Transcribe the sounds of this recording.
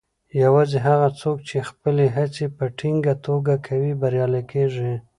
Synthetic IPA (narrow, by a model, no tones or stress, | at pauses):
jawɑzeɦaɣat͡sok̚t͡ʃexpəleɦat͡sepəʈʰiŋɡat̪oɡakʰawibaɾjɑlakeʐi